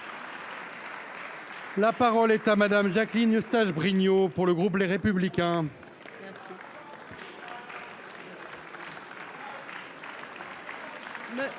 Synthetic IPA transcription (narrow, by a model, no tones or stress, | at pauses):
lapaʁɔlɛt̪amad̪amʒaklinəst̪aʒbʁiɲopuʁləɡʁup̬leʁepyblikʲɛ̃